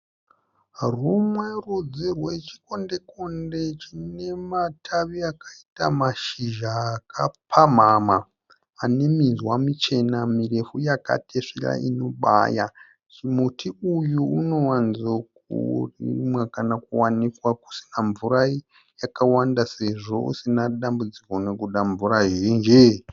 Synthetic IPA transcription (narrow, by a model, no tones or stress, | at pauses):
rumwe̞rud͡zirwet͡ʃi̥ko̞nde̞ko̞nde̞t͡ʃine̞matʰaʋiakaita̰maʃiʒaːkʰapʰam̤amaː | ne̞mizwamit͡ʃe̞namire̞fujaka̰tʰeʂiɾa̰ino̞ɓa̰ja | t͡ʃimutʰiujuuno̞wanzokṵrḭmwekanakuwanikwaku̥si̥naɱvuɾai | jakawandase̞ʐo̞̰ṵsinaɗambud͡zikonekuɗaɱvuɾaʒiːnd͡ʒe